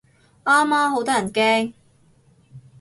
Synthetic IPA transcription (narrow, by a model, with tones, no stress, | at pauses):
ʔaː˥mːaː˥ɦo˨˥wt̪ɔː˥jɐ˨˩nkɛː˥ŋ